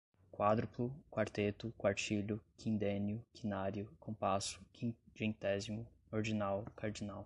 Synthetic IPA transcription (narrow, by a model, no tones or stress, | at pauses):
kwad̪ɾʊplukwaɾt̪et̪ʊkwaɾt͡ʃiʎʊkʰĩnd̪ẽnjʊkʰinaɾjʊkõpasʊ̥kʰĩd͡ʒẽnt̪ɛzimʊoɾd͡ʒinawkaɾd͡ʒinaw